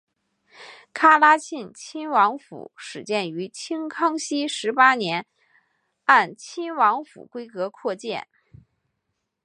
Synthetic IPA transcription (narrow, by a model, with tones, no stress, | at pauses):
kʰa˥la˥t͡ɕʰi˥˩nt͡ɕʰi˥nwɑ˧˥ŋfṵ˨˩˦ʂɻ̩˨˩t͡ɕjɛ˥˩ny˧˥t͡ɕʰi˥ŋkʰɑ˥ŋɕi˥ʂɻ̩˧˥pa˥njɛ˧˥n | a˥˩nt͡ɕʰi˥nwɑ˧˥ŋfṵ˨˩kwe˥ɪkɤ˧˥kʰwɔ˥˧t͡ɕjɛ̰˥˩n